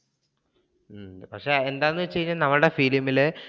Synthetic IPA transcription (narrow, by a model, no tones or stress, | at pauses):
pɐkʂeend̪aːjnːɨt͡ɕejːɲːɐnɐmɐɭuɽefiːlimːile